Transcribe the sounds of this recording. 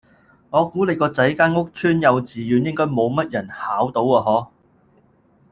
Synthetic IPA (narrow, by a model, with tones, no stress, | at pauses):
ŋɔː˨˧kuː˨˥le˨˧jkɔː˧t͡sɐ˨˥jkaː˥nŋʊ˥k̚t͡ʃʰyː˥njɐ˨˧wt͡siː˨jyː˨˧njɪ˥ŋkɔː˥jmo˨˧wmɐ˥t̚jɐ˨˩nhaː˨˥wt̪o˨˧˥waː˧ɦɔː˨˥